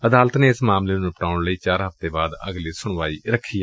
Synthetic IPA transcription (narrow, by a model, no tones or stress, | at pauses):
əd̪aːlət̪neːɪsmaːmleːnũpəʈaːʊɳləiːt͡ʃaːɾɦəft̪eːbaːd̪ə̰ɡliːsʊɳʋaːiːɾəkʰːiː